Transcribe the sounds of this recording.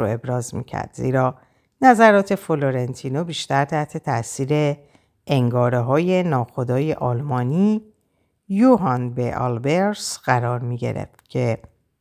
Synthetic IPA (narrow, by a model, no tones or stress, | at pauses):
oe̞bɾɒːzmḭːcʰæ̰ɾd̪̥zḭːɾɒː | næzæɾɒːt̪ʰe̞foloɾent̪ʰiːnobiːʃt̪æɾt̪ʰæht̪ʰe̞t̪ʰæʔsiːɾe̞ | eŋɡɒːɾeɦɒːje̞nɒːxo̞d̪ɒːje̞ʔɒːlmɒːniː | juɦɒnbeʔɒ̰lbeɾsɢæɾɒːɾmiːɟe̞̰ɾḛft̪cʰe̞